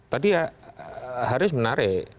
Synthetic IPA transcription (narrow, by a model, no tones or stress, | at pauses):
t̪adia | hɦaɾʊs̬mənaɾɪ